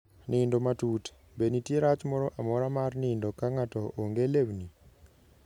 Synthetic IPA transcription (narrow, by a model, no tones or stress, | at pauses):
nindomatuːte̥ | benitiɾat͡ʃimoɾoʔamoɾamaɾinindokaŋatooŋɡelevni